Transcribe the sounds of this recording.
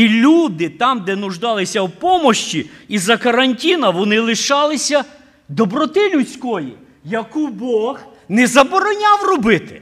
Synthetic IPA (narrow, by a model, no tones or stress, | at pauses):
ilʲud̪ɪt̪ɑmd̪ɛnʊʒd̪ɑlˠɪsʲɐwpɔmɔʃt͡ʃʲiizɐkɐɾɐnʲtʲinɐʋɔnɪlˠɪʃɑlˠɪsʲɐ | d̪ɔbɾɔt̪ɪlʲut͡sʲkɔjḭ | jɐkubɔɣ | nɛzɐbɔɾɔnʲawrɔbɪt̪ɪ̥